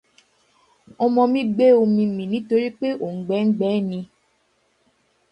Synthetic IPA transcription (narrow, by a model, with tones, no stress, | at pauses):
ɔ˧mɔ̃˧mĩ˦ɡ͡be˦o˧mĩ˧mĩ˨nĩ˦to˧ɾi˦k͡pe˦ʔo˨ŋ̩˨ɡ͡bɛ˨˦ŋ̩˦ɡ͡bɛː˨˦nĩ˧